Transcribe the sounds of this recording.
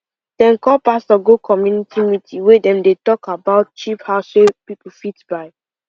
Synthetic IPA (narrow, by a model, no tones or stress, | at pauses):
dɛ̃nkɔpastɔɡokʰɔmjunitimitʰiwedɛ̃mdetɔkabaʊt̚t͡ʃiphaʊsepipufitbaɪ